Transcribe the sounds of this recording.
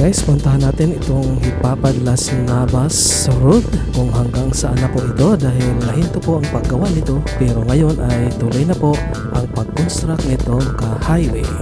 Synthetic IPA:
kaʔɪspʊnt̪aɦanːaːt̪ɪnɪt̪oŋhɪpaːpad̪lasnabas | ɾʊd̪̚kʊŋɦaŋɡaŋsɐʔanɐpoʔɪt̪o̞d̪aːɦɪlmɐɦint̪opoʔɐŋpɐɡɐwaʔnɪt̪o̞pɛːɾoŋɐjonʔajt̪ʊlojnɐpoʔ | ʔɐŋpɐɡ̚konst̪ɾaknɪt̪oŋkɐhajwɛ

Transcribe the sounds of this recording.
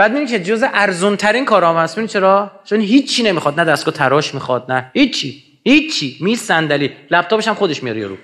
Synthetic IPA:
b̥æːd̪mid̪imkʲcʰe̞d͡ʒozeʔæɾzont̪ʰæɾinkʰɒːɾɒːmæst̪minit͡ʃʰe̞ɾɒːt͡ʃʰonɦiːt͡ʃʰːine̞miχɒd̪̚næd̪æs̚ɡɒːt̪ʰæɾɒːʃmixɒd̪̚næhit͡ʃʰːi | hit͡ʃʰːimisːænd̪æliːlæb̚t̪ɒːbeʃæmχod̪eʃmijɒɾjḛɾṵ

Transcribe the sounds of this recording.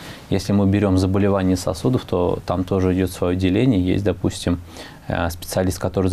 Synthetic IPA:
jesʲlʲɪmɨbʲɪɾʲo̞mzəbəlʲɪvanʲɪjəsɐ̰sud̪əft̪o̞̰t̪amt̪o̞ʐɨɪdʲo̞t̪svɐjodʲɪlʲenʲɪjəjḛsʲtʲd̪ɐpusʲtʲɪm | spʲɪ̥t̪sɨɐlʲist̪̚kɐt̪o̞ɾɨ

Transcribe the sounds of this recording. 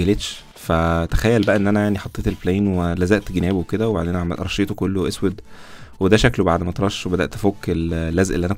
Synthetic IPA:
ɡælet̪ʃ | fæt̪æ̥xæjːælbæʔæʔenːʔænæjaʕniħɑt̪ˤːeːt̪elflæinwelæzæʔt̪ɡenæːbowked̪æweba̰ʕd̪eːnæʕamælʔɾˤɑʃeːt̪okolːoʔeswed̪wed̪æʃæklobaʕd̪mæt̪ɾˤɑʃːwebæd̪æ̰ʔt̪ʔæfoːkːellːæzʔḛlːiʔænæ

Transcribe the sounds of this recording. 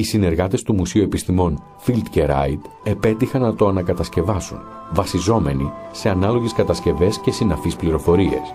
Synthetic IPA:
isine̞ɾɣɐt̪e̞st̪umusiue̞pist̪imo̞n | filt̪ceɾɐ̰it̪ | e̞pe̞t̪ixɐnːɐt̪o̞ɐnɐkɐt̪ɐsce̞vɐsṵn | vɐsizo̞me̞nise̞ɐnɐlo̞ʝe̞skɐt̪ɐsce̞ve̞sce̞sinɐfispliɾo̞fo̞ɾie̞̰s

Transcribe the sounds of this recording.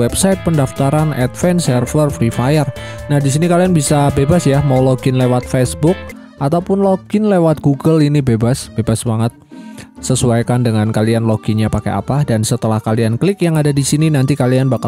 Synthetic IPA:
wɛbsaɪt̪̚pəndaft̪aɾanɛ̰t̪̚fɛnsərfərfɾifajərnahdis̬inikalianbisabebasjamawloɡɪnlewat̪̚fesbʊk̚ | ʔat̪awpʊnloɡ̥ɪnlewat̪̚ɡ̥uɡəlinibebasb̥ebasmaŋət̪̚səsuajkandəŋankalianloɡ̥iɲapaka̰jʔa̰padansət̪əlahkalianklɪkjaŋadadisininant̪ikalianbaka

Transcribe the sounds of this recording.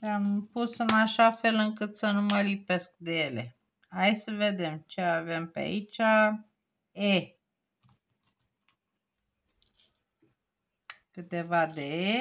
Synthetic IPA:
ampusɨnaʃafe̞lɨŋkɨt̪sənuməlipe̞sk̚d̪eje̞le̞̰ | hajsəve̞d̪e̞mt͡ʃe̞ave̞mpea̰it͡ʃa | e | kɨt̪e̞vad̪ee

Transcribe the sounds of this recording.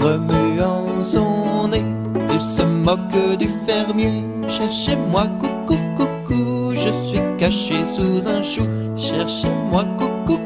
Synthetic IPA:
ʁəmyɑ̃ | sɔ̃ne | ilsəmɔkd̪yfɛʁmje | ʃɛʁʃemwakukukuku | ʒəsɥikaʃesuzɛ̃ʃu | ʃɛʁʃemwakuku

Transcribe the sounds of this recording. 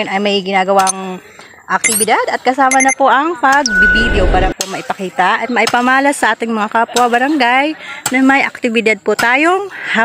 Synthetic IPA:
onɐjmɐjɡɪnaːɡɐwaŋ | ʔɐk̚t̪ɪbɪd̪ad̪ɐt̪̚kɐsaːmɐnɐpoʔɐŋpɐɡ̚bɪbid̪ɛopaːɾɐpomɐʔɪpɐkiːt̪ɐʔɐt̪̚mɐʔɪpɐmaːlɐsɐʔaːt̪ɪŋmɐŋakaːpwɐbɐɾɐŋɡajnɐmɐjʔɐk̚t̪ɪbɪd̪ad̪̚pʊt̪aːjo̞ŋha

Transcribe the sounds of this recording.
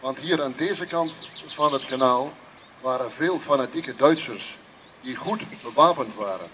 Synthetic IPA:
ʋɑntɦiːɾaːndeːzəkɑntfɑnɦətkanaːlˠ | ʋaːɾənveːlˠfanatikədœɥtsərs | diχutbəʋaːpəntʋaːɾə̰n

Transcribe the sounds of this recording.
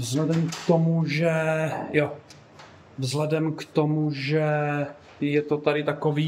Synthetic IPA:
vzɦlɛdɛmkt̪omuʒɛjo | vzlɛdɛmkt̪omuʒɛ | jɛt̪ot̪aɾɪt̪akoviː

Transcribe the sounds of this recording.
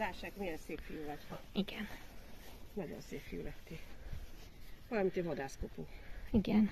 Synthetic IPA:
aːʃaːkmijɛnseːffijuːvɒt̪ʋɒiɡ̥ɛn | nɒɟo̰nseːpfḭjṵlɛt̪i | vɒlɒmint̪evɒd̪aːskopuŋiɡɛn

